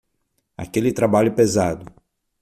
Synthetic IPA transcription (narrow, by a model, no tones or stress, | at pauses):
a̰kelɪt̪ɾabaʎʊpezad̪ʊ